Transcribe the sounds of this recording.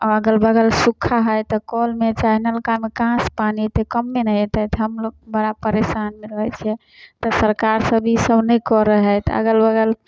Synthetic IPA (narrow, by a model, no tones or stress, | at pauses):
aəɡəlbəɡəlsukʰːaɦəjt̪ɔkɔlmet͡ʃaɦnəlkamekãspanit̪əkəmːenət̪ɛt̪ɦəmloɡ̚bəɽapəɾesanmeləɦɛt͡ʃʰɛ | t̪ɔsəɾkaɾsəbʱisəbnəjkɔɾəɦɛt̪ə̰ɡəlbəɡəl